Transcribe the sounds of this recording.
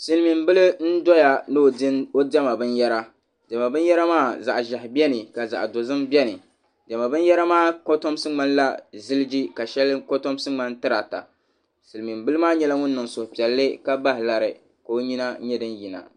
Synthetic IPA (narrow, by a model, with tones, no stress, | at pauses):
sɨ˨lmi˨mbɨ˦lɨ˦n̩˦dɔ˦ja˦nɨ˦˨˦o˦dɛ˦ma˨bɨ˦njɛ˦ɾa˦ | dɛ˨ma˨bɨ˦n˦jɛ˦ɾa˦maː˦˨za̰˨ʔʒa˨hɪ˨bɛ˦nɨ˨ka˨za̰˨ʔdo˨zɨ˦mbʲɛ˦nɨ˨ | d͡ʒɛ˨ma˨bɨ˦n˦jɛ˦ɾa˦maː˦˨ko˦to˦msɨ˦ŋ͡ma˦nla˦zɨ˦lɨ˦d͡ʒi˦ka˨ʃɛ˦lko˦to˦m˦sɨ˦ŋ͡ma˦n˦tɨ˦ɾa˨ta̰˨ | sɨ˨lmi˨mbɨ˦lɨ˦maː˦ɲɛ˦la˦ŋʊ˦nː˦ɨ˨ŋso˨hpi˨ɛ˨lːɨ˦ka˦ba˦hɪ˨la˨ɾɨ̰˨ | ka˨o˦ɲi˦na˦ɲɛ˦dɨ˦nji˨na̰˨